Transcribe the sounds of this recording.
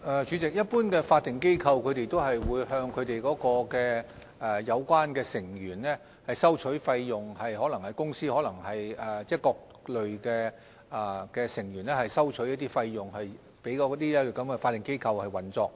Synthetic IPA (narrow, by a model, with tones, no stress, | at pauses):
ʔɛː˨t͡ʃyː˨˧˥t͡sɪ˨k̚jɐ˥t̚puː˥nkɛː˧faː˧t̚t̪ːɪ˨˩ŋke˥jkʰɐ˧wkʰɵ˨˧ɥt̪e˨jt̪o˥wɦɐ˨jwuː˨˧jhœː˧ŋkʰɵ˨˧ɥt̪e˨jkɔː˨˥kɔː˧kɛː˧ | ɛ˨jɐ˨˧wkʷwaː˥nkɛː˧sɪ˨˩ŋjyː˨˩nlɛː˥ | hɐ˨jsɐ˥wt͡ʃʰɵ˨˥jfɐ˧jːʊ˨ŋhɐ˨˩jhɔː˨˥lɐ˨˩ŋhɐ˨jkʊ˥ŋsiː˥hɔː˨˥lɐ˨˩ŋhɐ˨jɛː˨˩t͡sɛː˥kɔː˧k̚ | lɵ˨ɥkɛː˧˨˩ | kɛː˧sɪ˨˩ŋjɥyː˨˩nlɛ˥hɐ˨˩jsɐ˥wt͡ʃʰɵ˨˥ɥjɐ˥t̪iː˥fɐ˧jːʊ˨˩ŋhɐ˨j | pe˨˥jkɔː˨˧˥t̪iː˥lɛ˥˨˩kɐ˨˧˥mkɛ˧faː˧t̪̚ːɪ˨˩ŋke˥jkʰɐ˧whɐ˨jwɐ˨˩nt͡sɔː˧k̚